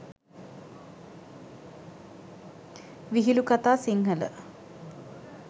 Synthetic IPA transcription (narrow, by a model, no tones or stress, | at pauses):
ʋiɦilukat̪aːsiŋɦələ̰